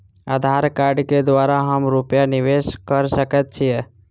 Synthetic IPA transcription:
aːd̪ʱaːɾkaːɾɖked̪ʋaːɾaɦəmɾupjanɪʋeːʃkəɾsəkət̪̚t͡ʃʰijɛ

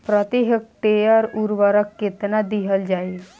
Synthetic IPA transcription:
pɾət̪iɦɪk̚ʈejəɾuɾʋəɾəkːɪt̪nad̪iɦəld͡ʒaːi

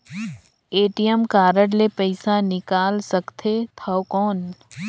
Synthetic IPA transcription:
eːʈijəmkaːɾəɽlepɐɪsanɪkaːlsəkt̪ʰet̪ʰɐokɔːn

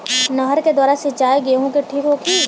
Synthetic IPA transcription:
nɐɦəɾked̪waːɾaset͡ʃaːeɡeɦõkeʈʰiːkɦoːkʰiː

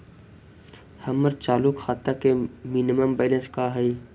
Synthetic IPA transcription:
hɐməɾt͡ʃaːlukxaːt̪akeminiməmbɛːlə̃nskaɦɛi

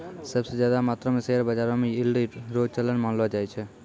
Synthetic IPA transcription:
səbsed͡ʒjad̪amat̪ɾəmeseɾbəd͡ʒaɾõmeilɖiɾod͡ʒt͡ʃələnmanlɔd͡ʒajt͡ʃʰɛ

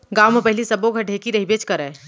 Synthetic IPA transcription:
ɡawmepəɦilisəboɡʱəʈekiɾəɦibet͡ʃkəɾɛ

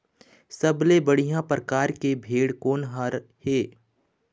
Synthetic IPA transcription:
sɐblebɐɽ̤ijãpɾəkaːɾkebʱeːɽkoːnɦaɾheː

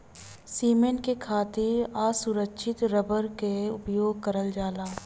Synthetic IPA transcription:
siːmẽɳʈkekʰaːt̪iaːsʊɾəkʃʰɪt̪ɾəbəɾkeʊpjoːɡ̚kɐɾəld͡ʒaːlaː

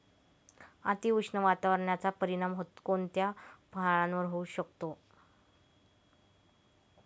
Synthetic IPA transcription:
a̰t̪iʋuʂɳəʋat̪aʋəɾəɳjat͡sapəɾiɽ̃amɦot̪kont̪japəɦaɭãnʋəɾɦouɕəkt̪o

